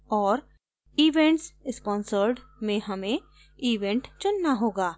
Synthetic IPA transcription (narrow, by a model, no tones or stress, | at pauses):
ɔːɾ | iːʋẽɳʈsspɔ̃ːnsəɾɖmẽɦɐmẽ | iːʋẽɳʈt͡ʃʊnːaɦoːɡaː